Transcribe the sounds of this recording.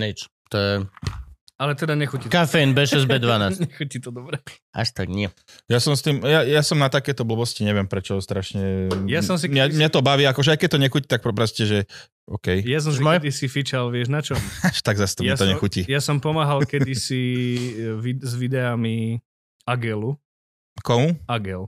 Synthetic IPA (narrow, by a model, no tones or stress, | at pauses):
nɛt͡ʃ | t̪ɔjɛ | alɛt̪ɛd̪aɲɛxucitkafɛinbɛʃɛzbɛd̪ʋanaːsɲɛxucit̪ɔd̪ɔbɾɛ | ʔa̰ʃt̪aɡɲɪɛ | jasɔmst̪iːmjajasɔmnat̪akɛjt̪ɔbl̩bɔsciɲɛʋɪɛmpɾɛt͡ʃɔst̪ɾaʃɲɛjasɔmsiɲɛmɲɛt̪ɔbaʋiːakɔʒɛajkɛc̚t̪ɔɲɛxucit̪ak̚pɾɔpɾascɛʒɛ | ɔ̰ːkɛjjas̬ɔmsimɔjd̪isifit͡ʃalʋɪɛʒnat͡ʃɔmʃt̪aɡzast̪ɔjmɛat̪ɔɲɛxucijasɔmpɔmaːɦalkɛd̪isi | ʋizʋid̪ɛami | aɡɛlu | kɔmuaɡɛl